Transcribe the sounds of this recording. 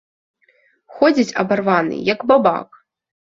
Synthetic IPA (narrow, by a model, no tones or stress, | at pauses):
xɔd͡zʲit͡sʲɐbarvanɨ̰jɐɡbaba̰k